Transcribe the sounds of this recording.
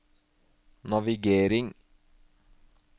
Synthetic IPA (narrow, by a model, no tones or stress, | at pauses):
nɑʋɪɡeːɾɪŋ